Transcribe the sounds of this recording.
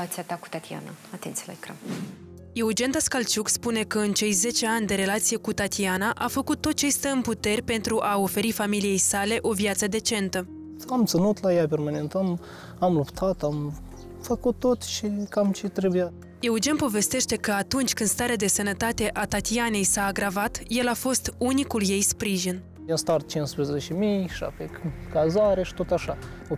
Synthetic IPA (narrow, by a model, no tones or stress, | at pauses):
at̪siat̪aku̥t̪at̪ia̰na̰at̪ent̪sijala̰ekɾa̰m | je̞ud͡ʒe̞nt̪askalt͡ʃukspune̞kəɨnt͡ʃe̞jze̞t͡ʃe̞anʲd̪e̞ɾe̞lat̪sije̞kut̪at̪ianaʔafəkut̪ːo̞t̪̚t͡ʃe̞jst̪əɨnput̪e̞rʲpe̞nt̪ɾuʔao̞fe̞ɾifamilije̞jsale̞ʔo̞vjat̪səd̪e̞t͡ʃe̞nt̪ə | amt̪sɨnut̪lajapermanent̪am | amlupt̪ʰat̪am | fəkut̪ːot̪ʃikamt͡ʃet̪ɾebuja | e̞ud͡ʒe̞npo̞ve̞st̪e̞ʃt̪e̞kəat̪unt͡ʃʲkɨnst̪aɾead̪e̞sənət̪at̪e̞ʔat̪at̪iane̞jsaːɡɾavat̪je̞lafo̞st̪unikulje̞jspɾiʒin | jamst̪art̪̚t͡ʃinspɾezet͡ʃemijʃa̰p̪ekazaɾeʃi̥t̪ot̪aʃa